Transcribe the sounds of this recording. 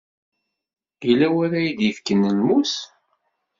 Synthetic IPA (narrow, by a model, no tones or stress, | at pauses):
ilæwæɾæjid̪jəfkənəlmus